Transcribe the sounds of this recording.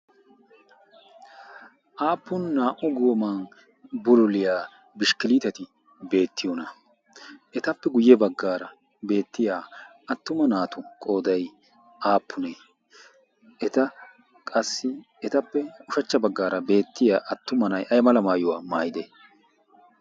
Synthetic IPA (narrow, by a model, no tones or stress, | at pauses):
ʔaːpːʊnːaːʔʊɡoːmɐn | bʊlʊlɪjaː | bɪʃkɪliːt̪ɐt̪ɪ | be̞ːt̪ʰːɪjonɐ | ʔɛt̪ɐpːɛɡʊjɛbɐɡːaːɾɐ | be̞ːt̪ːɪjaː | ɐt̪ːʊmɐnaːt̪ʊkʼo̞ːd̪ɐj | ʔaːpːʊne | ʔɛt̪ɐ | kʼɐsːɪ | ɛt̪ɐpːɛʊʃɐt͡ʃːɐbɐɡːaːɾɐbe̞ːt̪ːɪjaːʔɐt̪ːʊmɐnɐjʔɐjmɐlɐmaːjʊwaːmaːjɪd̪e